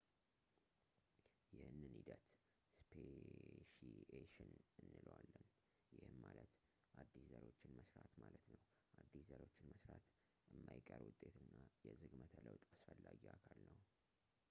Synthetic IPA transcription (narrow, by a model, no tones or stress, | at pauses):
jɪhɨnːɨnhid̪ət̪ | spʰeʃieʃɪnɨnːɨlwalːən | jɪhɨnmalət̪ | ʔad̪ːiszəɾt͡ʃːɪnməsɾat̪malət̪nəw | ʔad̪ːiszəɾo̞t͡ʃːɪnməsɾat̪ | ɨmːajkʼəɾwʊt̪ʼːe̞t̪ɨnːajɛzɨɡmət̪ʰələwt̪ʼasfəlːaɡiakʰalnəw